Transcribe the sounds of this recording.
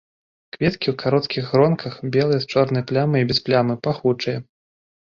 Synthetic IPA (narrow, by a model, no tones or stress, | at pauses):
kvʲɛt̪kʲiwkʰaɾɔt̪kʲiɣɾɔnkʰɐxbʲɛlˠɨjɛst͡ʂɔrnɐjplʲamɨibʲɛsplʲamɨpaxut͡ʂɨjɐ